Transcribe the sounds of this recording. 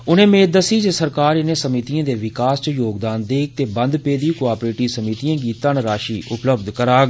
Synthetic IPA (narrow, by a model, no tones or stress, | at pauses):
ʊnẽːmẽːd̪əsiːd͡ʒesəɾkaːɾɪnẽːsəmɪt̪ijãːd̪eːʋɪkaːst͡ʃəjoːɡd̪aːnd̪eːk̚ʰt̪eːbə̃nd̪peːd̪iːkoaːpɾeːʈiːsəmit̪ijãːɡiːt̪əɳɾaːʃiːʔʊpləb̚d̪kəɾaːɡ